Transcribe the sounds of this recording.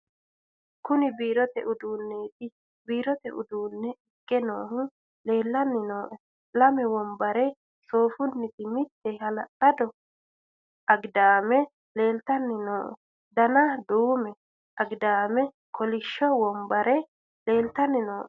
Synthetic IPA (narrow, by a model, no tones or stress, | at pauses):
kʊnɪbiːɾɔt̪ɛʔʊd̪uːnːe̞ːt̪ɪ | biːɾɔt̪ɛʔʊd̪uːnːɛɪkʼːɛnoːhʊ | le̞ːlːɐnːɪnoːʔɛ | lɐmɛwɔmbɐɾɛ | so̞ːfʊnːɪt̪ɪmɪt̪ːɛhɐlɐtːɐd̪ɔ | ʔɐɡd̪aːmɛ | le̞ːlt̪ɐnːɪnoːʔ | d̪ɐnɐd̪uːmɛ | ʔɐɡd̪aːmɛ | kʰɔlɪʃːɔwɔmbɐɾɛ | le̞ːlt̪ɐnːɪnoːʔ